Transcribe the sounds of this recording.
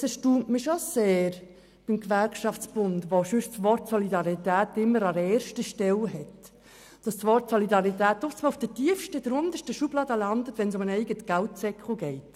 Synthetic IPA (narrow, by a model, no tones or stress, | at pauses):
sɛʃtuːntmiʃoseːɾ | b̥ɪmkʋæɾkʃɑft͡sb̥ʊndʋoʃʏʃsʋɔɾtsɔlidɑʁitæːtɪmːəɾɑɾɛːɾʃtəʃtɛlɦɛt | d̥ɑssʋɔrtsɔlidɑʁit̪æːtɔft͡smɑʊfd̥ətiəfʃtədɾʊnd̪əʃtəʃub̥lɑːd̪əlɑndətʋɛnsʊmənɛɪɡətɡ̥æltsɛkχl̩ɡɛɪt